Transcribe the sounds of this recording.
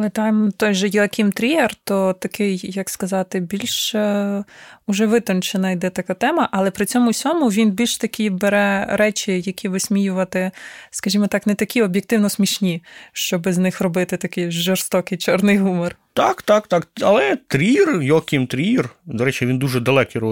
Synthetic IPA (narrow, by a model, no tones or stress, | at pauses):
lˠɛt̪ajmt̪ɔjʒɛjlˠkʲimt̪ɾʲiert̪ɔt̪ɐkʰɪjjɐkskɐzɑt̪ɪbʲilʲʃ | ʊʒɛʋɪt̪ɔnt͡ʃɪnɐjd̪ɛt̪ɐkat̪ɛmɐʔɐlˠɛpɾɪt͡sʲɔmʊsʲɔmʊʋʲinbʲilʲʃt̪ɐkʲibeɾɛɾɛt͡ʃʲijɐkʲʰiʋɪsʲmʲijʊʋɐt̪ɪskɐʒʲimɔt̪ɑknɛt̪ɐkʲiɔbʲjek̚t̪ɪwnɔsmʲiʃnʲiʃt͡ʃɔbɪznɪxrɔbɪt̪ɪt̪ɐkɪjʒɔrst̪ɔkɪjt͡ʃɔrnɪjɦumɔrt̪ɑkt̪ɑkt̪ɑkɐlˠɛt̪ɾʲirjɔlˠkʲɪmt̪ɾʲijɛrd̪ɔɾɛt͡ʃiʋʲind̪uʒɛd̪ɐlˠɛkiɾɔ